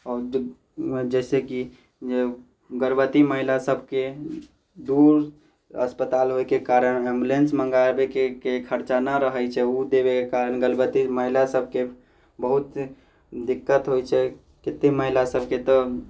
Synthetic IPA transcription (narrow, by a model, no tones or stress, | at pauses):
ɔːɾ | d͡ʒɛseki | d͡ʒe | ɡəɾbət̪iməɦilasəbʱke | d̪uɾ | ə̰spət̪alɦoekekaɾənembulensməŋɡabekekekʰəɾt͡ʃanaɾəɦəjt͡ʃʰɛud̪ebekekaɾənɡəɾbət̪iməɦilasəb̚ʱke | bəɦut̪ | d̪ikːət̪ɦojt͡ʃʰɛ | kɪt̪ːeməɦilasəb̚ʱket̪ɔ